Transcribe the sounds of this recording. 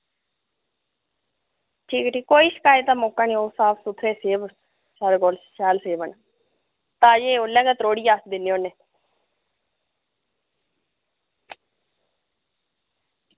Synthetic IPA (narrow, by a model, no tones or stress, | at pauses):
ʈʰiːkʈʰiːkoːiːsə̥kaːet̪aːmoːkaːniːoːsaːpʰsʊt̪ʰːɾeːseːb | saːɾkoːlʃaːlseːbəɳ | t̪aːd͡ʒeːoːlɛkət̪ɾoːɽiːjaːsd̪ɪnːiːoːneː